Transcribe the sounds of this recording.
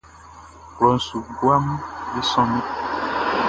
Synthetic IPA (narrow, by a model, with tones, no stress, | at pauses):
klɔ˨n̩˨su˨ɡwa˦m˦be˦sɔ̃˦mẽ˦